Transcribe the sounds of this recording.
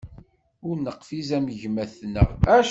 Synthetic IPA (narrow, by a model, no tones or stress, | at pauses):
ʊɾnəqfizæmʝmæθnææʃ